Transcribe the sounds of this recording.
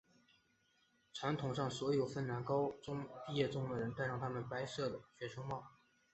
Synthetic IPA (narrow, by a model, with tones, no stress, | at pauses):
ʈ͡ʂʰwa˧˥nt̪ʰʊ˨˩ŋʂɑ˥˩ŋswɔ˧˥jo˨˩ʊfə˥˩nna˧˥nkɑ˥ʊʈ͡ʂʊ˥ŋpi˥˧jɛ˥˩ʈ͡ʂʊ˥ŋd̪ə˨˩ɻə˧˥nt̪a˥˧ɪɻɑ˥˩ŋt̪ʰa˥mə˨npa˥ɪʂɤ˥˩d̪ə˩ɕɥɛ˧˥ʈ͡ʂʰo˥ŋmɑ˥˩ʊ